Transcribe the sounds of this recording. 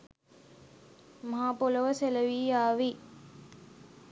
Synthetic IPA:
mɐɦaːpoləʋəseləʋiːaːʋi

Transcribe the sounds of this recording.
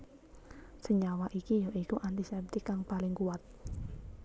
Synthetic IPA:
səɲawaʔikijoʔikuʔant̪isɛp̚t̪ikaŋpalɪŋkuat̪̚

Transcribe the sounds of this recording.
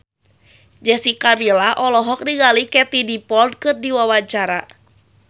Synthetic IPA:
d͡ʒɛsikamilaʔɔlɔɦɔk̚diɡalikɛt̪idipɔld̚kɨrdiwawat͡ʃaɾa

